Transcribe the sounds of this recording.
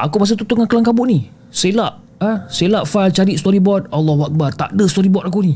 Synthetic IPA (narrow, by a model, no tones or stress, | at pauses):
a̰kubas̬ət̪ut̪uŋankəlaŋkabuʔni | selaʔ | əselaʔfalt͡ʃaɾit̪ʔst̪ɔɾibɔt̪̚alːɔɦuak̚bart̪a̰ʔdəst̪ɔɾibɔt̪̚ak̬uni